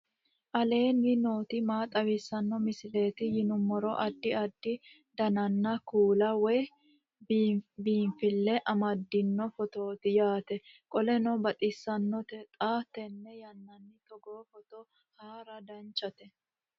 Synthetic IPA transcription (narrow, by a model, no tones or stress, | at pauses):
ʔɐle̞ːnːɪno̞ːt̪ɪmaːt̪ʼɐwɪsːɐnːɔmɪsɪleːt̪ɪjɪnʊmːɔɾɔʔɐd̪ːɪɐd̪ːɪ | d̪ɐnɐnːɐkuːlɐwɛ | biːɱfɪlːɛʔɐmɐd̪ːɪnːɔfɔt̪oːt̪ɪjaːt̪ɛkʼɔlɛnɔbɐt̪ʼɪsːɐnːɔt̪ɛt̪ʼaːt̪ːɛnːɛjɐnːɐnːɪt̪ɔɡoːfɔt̪ɔ | haːɾɐd̪ɐnt͡ʃːɐt̪ɛ